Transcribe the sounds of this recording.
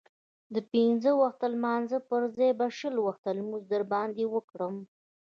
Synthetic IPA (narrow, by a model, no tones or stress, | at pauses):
d̪əpinzəwaxt̪almɑnzəpəɾzɑjbaʃəlwaxt̪almuzd̪əɾbɑnd̪ewəkɽəm